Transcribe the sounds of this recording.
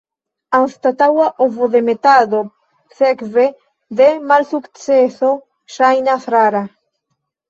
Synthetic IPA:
anst̪at̪awaʔovoðemet̪aðo | θekβe | ðemalsukt͡seso | ʃajnafɾaɾa

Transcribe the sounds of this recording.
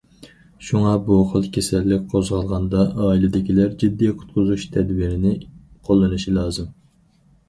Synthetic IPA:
ʃuŋɑbuχəlˠkʲʰesɛlːɪk̚ʲqʰozʁɑlˠʁɑnd̪ɑʔɑːilɪd̪ɪkʲilæɾd͡ʒid̪ːiqʰʊ̥t̪̚qʰʊzuʃt̪ʰɛd̪wiɾɪnɪqʰolˠːɨnɨʃilˠɑːzɨm

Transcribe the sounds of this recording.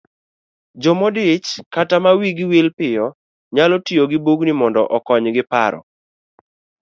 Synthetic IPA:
d͡ʒɔmɔdɪt͡ʃkatamawiɡɪwilpɪjɔ | ɲalɔtioɡɪbuɡnɪmɔndɔʔɔkɔɲɡɪpa̰ɾɔ̰

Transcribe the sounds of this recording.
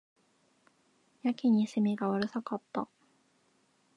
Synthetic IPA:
jakʲiɲ̟isɨmeɡaβaɾɯ̟sakat̪ːa

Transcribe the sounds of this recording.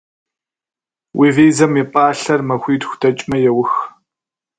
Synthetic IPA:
wʔiːviːzɐmiːpʼaːɬɐrmɐxʷiːtxʷdʰɐt͡ʃʼmɐjɛwʊx

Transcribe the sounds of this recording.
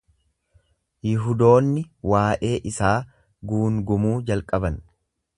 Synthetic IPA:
jɪɦʊd̪o̞ːnːɪwaːʔe̞ːʔɪsaː | ɡuːŋɡʊmuːd͡ʒɐlkʼɐbɐn

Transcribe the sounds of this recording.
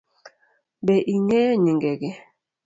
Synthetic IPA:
bɛʔiŋɛɲiŋɡɛɡɛ

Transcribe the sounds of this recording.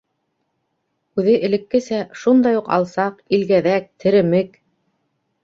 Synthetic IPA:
ʉðɘʔɘ̆lɘ̆kːɘ̆sæʃund̪ɑjuqɑ̰lˠsɑqilɡæðæk̚t̪ʰɘ̆ɾɘ̆mɘk

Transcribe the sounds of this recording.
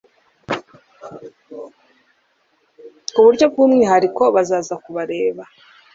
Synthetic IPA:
uβuɾɟo̞b̚ɡuːmŋeɦaɾiko̞βazaːzakuβaɾe̞ːβa

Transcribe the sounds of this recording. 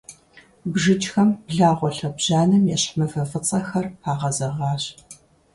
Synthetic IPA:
bʒɨt͡ʃʼxɐmbɮaːʁʷɔɬɐbʑaːnɨmjɛɕħmɐvɐfɨt͡sʼɐxɐrpʰaːʁɐzɐʁɑːɕ

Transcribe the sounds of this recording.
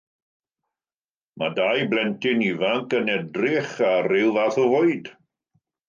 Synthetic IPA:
madajblɛntɪnivaŋkənɛdrɪχaɾɪlˠvaθɔvʊɨd̥

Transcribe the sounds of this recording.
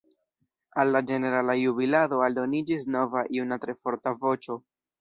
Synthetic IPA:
alːad͡ʒe̞ne̞ɾalajuβilado̞aldo̞nid͡ʒis̬no̞vaʔiunatɾe̞fo̞ɾtavo̞t͡ʃo̞

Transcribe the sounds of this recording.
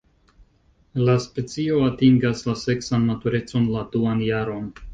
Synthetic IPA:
laspe̞t͡sio̞atiŋɡaslase̞ksanmatuɾe̞t͡so̞nladuanjaɾo̞n

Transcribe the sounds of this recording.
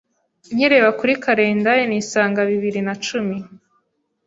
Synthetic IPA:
ɲiɾeβakuɾikaɾe̞ːndajeniːsaːŋɡaβiβiɾinat͡ʃumi

